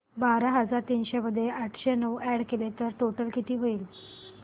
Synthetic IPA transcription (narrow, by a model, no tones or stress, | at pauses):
baɾaɦəd͡zaɾt̪inɕeməd̪ʱjeʔaʈʰɕenəʋæɽkelet̪əɾʈoʈəlkit̪iːɦoiːl